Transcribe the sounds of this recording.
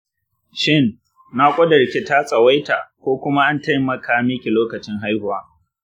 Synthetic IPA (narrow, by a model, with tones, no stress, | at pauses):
ʃɪ˦nː | a˦kʷʼɐ˦dɐ˨ɽkʲe˦taː˦sʼɐ˨wa˦jta˨kʷoː˦kʷʊ˦ma˦ʔa˦nta˦jmɐ˨kʰaː˨mɪ˦kʲi˨loː˦kɐ˨t͡ʃɪ˦ŋɦa˦jhʊ˨waː˦